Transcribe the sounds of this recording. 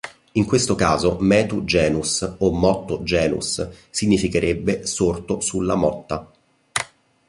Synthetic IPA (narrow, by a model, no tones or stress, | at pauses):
iŋkwest̪okaːzomɛːt̪ud͡ʒɛːnusomːɔt̪ːod͡ʒɛːnṵsːiɲːifikeɾʔebːesort̪osulːamɔt̪ːa